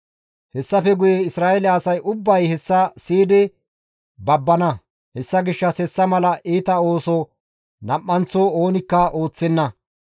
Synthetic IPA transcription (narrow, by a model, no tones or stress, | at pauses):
hɛsːɐfɛɡʊjeɪsɾaːɛlɛɐsɐjʔʊbːɐjhɛsːɐsiːd̪ɛ | bɐbːɐnɐ | hɛsːɐɡɪʃːɐsɛsːɐmɐlɐʔiːt̪ɐo̞ːsɔ | nɐpːɐnt͡sooːnɪkːɐʔo̞ːt͡sːɛnːɐ